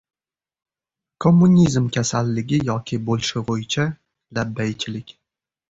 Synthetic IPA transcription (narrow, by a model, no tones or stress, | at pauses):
kʰomːunʲizmkʲʰasalːɪɡʲɪjɒkʲʰɪbolɪʃɪvojɪt͡ʃʰa | labːajt͡ʃʰɪlɪkʲ